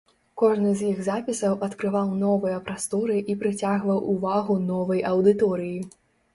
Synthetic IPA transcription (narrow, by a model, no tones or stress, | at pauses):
kɔʐnɨzʲjiɣzapʲisɐwʔɐt̪kɾɨvawnɔvɨjɐpɾast̪ɔɾɨʔipɾɨt͡sʲaɣvɐwʔːvaɣunɔvɐjʔɐwd̪ɨt̪ɔɾɨji